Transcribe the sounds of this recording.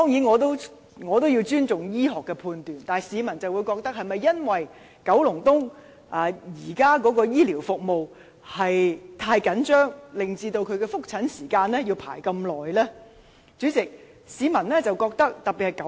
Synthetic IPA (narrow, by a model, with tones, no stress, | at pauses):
t̪ɔː˥ŋjiː˨˥nŋɔː˨˧t̪o˥w | ŋɔː˨˧t̪o˥wji˧wt͡ʃyː˥nt͡sʊ˨ŋjiː˥ɦɔː˨kːɛː˧pʰuː˧nt̪yː˨nt̪aː˨˩siː˨˧mɐ˨˩nt͡sɐ˨wuː˨˧jkɔː˧k̚t̪ɐ˥k̚hɐ˨jmɐ˨jːɐ˥nwɐ˨j | kɐ˨˥wlʊ˨˩ŋt̪ʊ˥ŋ | ʔaː˨jiː˨˩kaː˥kɔː˨˥kɔː˧jiː˥liː˨˩wfʊ˨k̚mo˨w | hɐ˨jt̪ʰaː˧jkɐ˨˥nt͡ʃœː˥ŋlɪ˨ŋt͡siː˧t̪o˧wkʰɵ˨˧ɥkɛː˧fʊ˥k̚t͡sʰɐ˨˥nsiː˨˩kaː˧nlɛː˥ji˧wpʰa̰ː˨˩jkɐ˧mlɔː˨˩jlɛː˥ | t͡syː˨˥t͡sɪ˨k̚ | siː˨˥mɐ˨˩nlɛː˥t͡sɐ˨wkɔː˧k̚t̪ɐ˥k̚t̪ɐ˨k̚piː˨thɐ˨jk